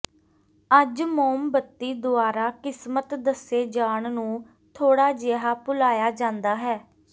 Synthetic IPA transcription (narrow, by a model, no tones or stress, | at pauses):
əd͡ʒmoːmbət̪ːiːd̪ʊaːɾaːkɪsmət̪d̪əseːd͡ʒaːɳnũː | t̪ʰoːɽaːd͡ʒeːɦaːpʊlaːjaːd͡ʒãːnd̪aːɦɛː